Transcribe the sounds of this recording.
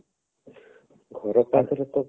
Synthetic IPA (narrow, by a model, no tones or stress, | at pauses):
ɡʱɔɾɔpad̪ɾɔt̪ɔ